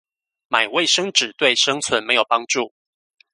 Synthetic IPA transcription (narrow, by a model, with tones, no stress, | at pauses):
ma˨˩ɪwe˥˨ɪʂɤ˥ŋʈ͡ʂɻ̩˨˩t̪we˥˨ɪʂɤ˥ŋt͡sʰwə˧˥nme˧˥ɪjo˨˩ʊpɑ˥ŋʈ͡ʂu˥˨˩